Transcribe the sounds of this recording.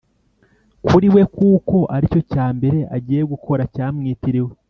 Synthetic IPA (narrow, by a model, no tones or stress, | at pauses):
kuɾiwe̞kuːko̞ʔaɾico̞caːmbe̞ɾe̞ʔaɟiːje̞ɡukʰo̞ɾacaːmŋiːtiɾewe